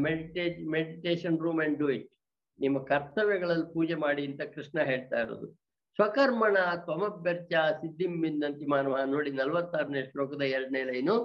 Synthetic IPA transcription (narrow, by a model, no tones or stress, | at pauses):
meɽiʈeːmeɽiʈeːʂɐnɾuːmeɳɖɖuiʈ | nimːɐkɐɾt̪ɐʋɛɡɐɭɐlːipuːd͡ʒemaːɽiɐnt̪ɐkɾiʂɳɐɦe̞ːɭt̪a̰ːjiɾo̰ːd̪u | sʋɐkɐɾmɐɳɐt̪ʋɐmɐbːɐɾt͡ʃasid̪ʱːimːind̪ɐnt̪imaːnɐʋɐɦɐnoːɽinɐlʋɐt̪ːaːɾɐneʂʈɾoːkud̪ɐɛɾɐɽnejlɐjnu